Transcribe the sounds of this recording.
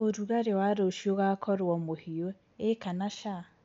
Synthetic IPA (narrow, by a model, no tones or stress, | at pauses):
oɾuɣaɾewaɾoʃioɣakʰɔɾwɔmohio | ekanaʃa